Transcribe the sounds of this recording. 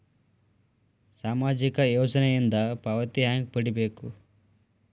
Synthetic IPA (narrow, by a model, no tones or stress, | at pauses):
saːmaːd͡ʒikɐjoːd͡ʒɐnɐjind̪ɐpɐʋɐt̪iɦaŋɡ̚pɐɽibeːku